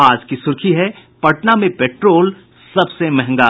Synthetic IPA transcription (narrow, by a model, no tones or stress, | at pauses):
aːd͡ʒkisʊɾkʰiɦɛ | pɐʈnamẽpeːʈɾoːl | sɐbsemɛɦŋɡaː